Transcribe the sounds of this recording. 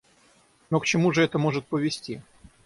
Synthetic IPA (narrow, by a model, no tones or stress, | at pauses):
nokt͡ɕɪmuʐɨɛt̪əmo̞ʐɨt̪̚pəvʲɪsʲtʲi